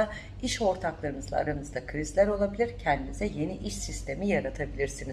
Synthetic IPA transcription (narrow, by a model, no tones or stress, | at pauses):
a | iʃo̞ɾt̪ʰaklˠaɾɯmɯzˠa̰a̰ɾamɯzd̪akʰɯɾizlʲæɾo̞lˠabilʲiɾcʰɛnd̪imizɛje̞niʔiʃsist̪ʰe̞mijaɾat̪ʰabilʲiɾsiniz